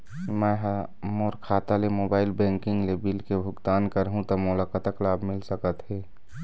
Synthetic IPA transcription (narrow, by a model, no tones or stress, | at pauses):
mɛɦ | moːɾkʰaːt̪alemoːbaːɪlbɛ̃ŋkɪ̃ŋɡlebilkebʱʊɡt̪aːnkəɾɦũt̪əmʊlakət̪əklaːbʱmɪlsəkət̪ɦɛ